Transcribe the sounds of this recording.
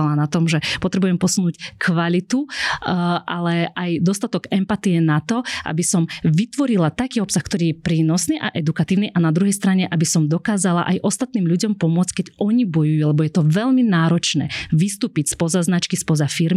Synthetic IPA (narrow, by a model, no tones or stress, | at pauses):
alanat̪ɔmʒɛpɔt̪ɾɛbujɛmpɔsunuːckʰʋalit̪u | ʔalɛʔajd̪ɔst̪at̪ɔɡɛmpat̪ijɛnat̪ɔʔa̰bisɔmʋit̪ʋɔɾilat̪akiːɔpsaxkt̪ɔɾiːjɛpɾiːnɔsniːʔaʔɛd̪ukat̪iːʊniːʔanad̪ɾuɦɛjst̪ɾaɲɛʔabisɔmd̪ɔkaːzala̰ʔajʔɔst̪at̪niːmʎuɟɔmpɔmʊɔt͡scʲkɛɟʔɔɲibɔjujuːlɛbɔjɛt̪ɔʋɛʎminaːɾɔt͡ʃnɛ̰ːʋist̪uːpicspɔzaznat͡ʃkispɔzafiɾm